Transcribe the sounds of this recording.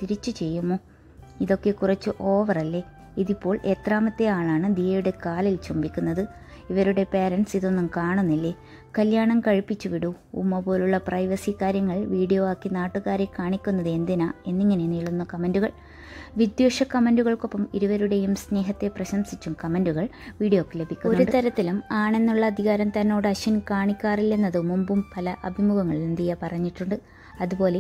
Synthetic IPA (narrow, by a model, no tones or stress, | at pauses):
t̪iɾit͡ɕːut͡ɕe̞jːumːoː | iðo̞kːe̞kurɐt͡ɕːɨʔo̞ːʋɐrɐlːe̞ | iðipːo̞ːɭeːt̪raːmɐt̪ːe̞jaːɭaːɳɨd̪ijɐjuɽe̞kaːlilt͡ɕumbikʲːunːɐðɨ | iʋɐɾuɽe̞peːɾɐnsiðo̞nːumkaːɳunːilːe̞ | kɐljaːɳɐmkɐɻpit͡ɕːuʋiɽṵː | mːɐpo̞ːluɭːɐprɐjʋɐsikaːɾjɐŋːɐɭʋiːɽijoːaːkːinaːʈːuɣaːɾekaːɳikʲːunːɐðe̞nd̪inaːe̞nːiŋːɐne̞niːɭunːɐkɐmenduɣɐɭ | ʋid̪joːʂɐkɐmenduɣɐɭko̞pːɐmiɾuʋɐɾuɽe̞jumsne̞ːɦɐt̪ːe̞prɐɕɐmsit͡ɕːumkɐmenduɣɐɭʋiːɽijo̞ːkːele̞bʱikʲːunouɾuɳɖɨt̪ɐɾɐt̪ːilumaːɳe̞nːuɭːɐːd̪ʱiɣaːɾɐmt̪ɐnːo̞ːɽɨɐɕɐnkaːɳikʲːaːrilːe̞nːɐðɨmumbumpɐlɐʔɐbʱimuɣɐŋːɐɭilend̪ijɐpɐrɐɲːiʈːuɳɖɨ | ɐðubo̞ːle̞